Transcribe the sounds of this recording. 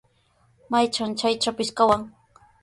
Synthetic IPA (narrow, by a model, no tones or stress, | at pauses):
majt͡ʃant͡ʃajt͡ʃapɪʃkawaŋ